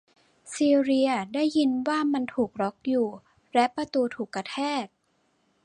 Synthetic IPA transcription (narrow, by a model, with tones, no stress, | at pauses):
siː˧ɾi˧ɐdaː˥˩jːi˧nwaː˥˩ma˧nt̪ʰuː˨˩k̚ɾɔ˦˥k̚juː˨˩ | lɛ˦˥pɾa˧t̪uː˧t̪ʰuː˨˩kːɾa˧t̪ʰɛː˥˩t̪̚